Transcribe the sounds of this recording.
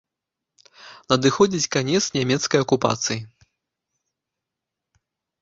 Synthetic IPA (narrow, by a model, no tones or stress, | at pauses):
nɐd̪ɨxɔd͡zʲit͡sʲkanʲɛt̪snʲamʲɛt̪skɐjɐkupa̰t̪sɨji